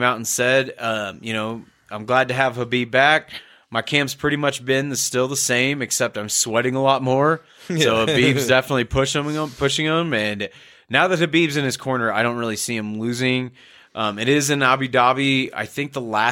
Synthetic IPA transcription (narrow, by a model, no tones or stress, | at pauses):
maʊɾn̩sɛdʌ̃mjɨnoʊ | ʔãɪ̃mɡlæd̚tɨəv̥həbibæk̚ | maɪkʰæ̃mpspʰɹ̥ɪɾimʌt͡ʃb̥ɪ̃nðɨstɪlˠðəsẽɪ̃mɨksɛp̚tãɪ̃mswɛɾɪ̃ŋəlɔt̚mɔɹ | soʊəbivzdɛfənətˡlipʰʊʃə̃mə̃pʰʊʃɪ̃ŋɪ̃mɨ̃nː | aʊðɨt̚ɨbibzɨ̃nɨz̥kʰɔɹnə˞aɪɾõʊ̃nt̚ɹɪlˠisiɨ̃mlʉzɪ̃ŋ | ʔʌ̃mɨɾɪzɨ̃nɑbidɑbia̰ɪθɪ̃ŋk̚ðəlæ